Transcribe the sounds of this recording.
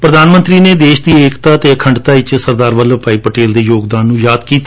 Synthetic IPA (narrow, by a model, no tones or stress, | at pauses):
pɾəd̪aːnmə̃nt̪ɾiːneːd̪eːʃd̪iːeːkt̪aːt̪eːəkʰəɳɖt̪aːɪt͡ʃsəɾd̪aːɾʋələpaːiːpəʈeːld̪eːjoːɡd̪aːnːũːjaːd̪kiːt̪ː